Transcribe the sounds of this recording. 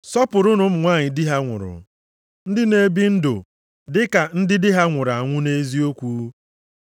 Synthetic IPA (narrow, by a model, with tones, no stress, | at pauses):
sɔ˦pʊ˨ɾʊ˦nʊ˦m̩˨ŋʷaː˦˨ɲɪ˨dɪ˦ɦa˦ŋʷʊ̰˨ɾʊ̰˨ | n̩˦dɪ˦ne˦bi˦n̩˦dʊ̰˨ | dɪ˦ka˨n̩˦dɪ˦dɪ˦ɦa˦ŋʷʊ˨ɾa˨ŋʷʊ˦ne˦zi˦o˦kʷuː˦